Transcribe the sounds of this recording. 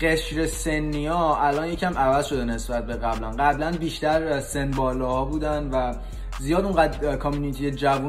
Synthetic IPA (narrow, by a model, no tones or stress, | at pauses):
ɢe̞ʃɾe̞se̞nːiɒːælɒːnjecʰæmævæzʃo̞d̪ene̞sbæt̪̚be̞ɣæblænɢæblænbiːʃt̪æɾse̞nbɒːlɒːhɒːbuːd̪ænvæ | zijɒːd̪uŋɢæt̪kʰɒmjuːnit̪ʰijed͡ʒævu